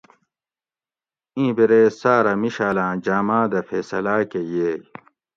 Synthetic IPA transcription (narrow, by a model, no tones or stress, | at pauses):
ĩːbeɾeːsaːɾɐmiɕaːlãːd͡ʑaːmaːd̪ɐfeːsɐlaːkeje